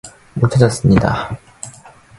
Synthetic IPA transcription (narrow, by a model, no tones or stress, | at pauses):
mot͡ɕʰad͡ʑʌs͈ɯmɲida̰